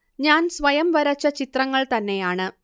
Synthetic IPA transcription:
ɲaːnsʋɐjɐmʋɐɾɐt͡ɕːɐt͡ɕit̪rɐŋːɐɭt̪ɐnːe̞jaːɳɨ

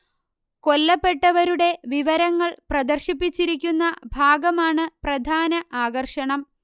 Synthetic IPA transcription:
ko̞lːɐpːe̞ʈːɐʋɐɾuɽe̞ʋiʋɐɾɐŋːɐɭprɐd̪ɐrɕipːit͡ɕːiɾik̬ʲːunːɐbʱaːɡɐmaːɳɨprɐd̪ʱaːnɐʔaːɡɐrʂɐɳɐm

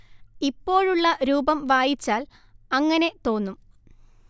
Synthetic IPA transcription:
ipːo̞ːɻuɭːɐɾuːbɐmʋaːjit͡ɕːaːl | ɐŋːɐne̞t̪o̞ːnːum

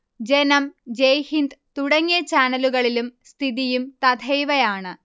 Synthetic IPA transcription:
d͡ʑenɐmd͡ʑejhind̪t̪uɽɐŋːijɐt͡ɕaːnɐluɣɐɭilumst̪ʰiðijumt̪ɐd̪ʰʱɐjʋɐjaːɳɨ

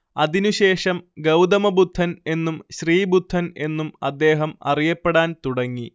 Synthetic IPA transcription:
ɐðinuɕe̞ːʂɐmɡɐwd̪ɐmɐbud̪ʱːɐne̞nːumɕriːbud̪ʱːɐne̞nːumɐ̰d̪ːe̞ːɦɐmɐ̰rijɐpːeɽaːnt̪uɽɐŋːi

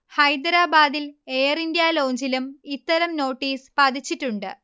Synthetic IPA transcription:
hɐjd̪ɾaːbaːd̪ile̞ːjrind̪jaːlo̞ːɲd͡ʑilumit̪ːɐɾɐmno̞ːʈːiːspɐd̪it͡ɕːiʈːuɳɖɨ̰

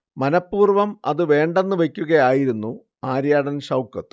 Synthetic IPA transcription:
mɐnɐpːuːrʋɐmɐ̰ðɨʋe̞ːɳɖe̞nːɨʋe̞kʲːuɣɐjaːjiɾunːu | aːɾjaːɽɐnɕɐwkɐt̪ːɨ

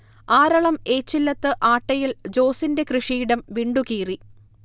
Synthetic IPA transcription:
aːɾɐɭɐme̞ːt͡ɕːilːɐt̪ːɨʔaːʈːɐjild͡ʑo̞ːsinde̞krɨʂiːɽɐmʋiɳɖukiːri

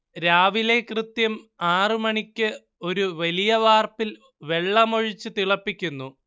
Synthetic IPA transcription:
ɾaːʋile̞krɨt̪jɐmaːrɨmɐɳikʲːɨ | o̞ɾuʋɐlijɐʋaːrpil | ʋe̞ɭːɐmo̞ɻit͡ɕːɨt̪iɭɐpːikʲːunːu

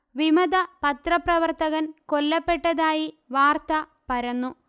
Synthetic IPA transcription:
ʋimɐd̪ɐpɐt̪rɐprɐʋɐrt̪ɐɣɐnkolːɐpːe̞ʈːɐðaːji | ʋaːrt̪ɐ | pɐɾɐnːu

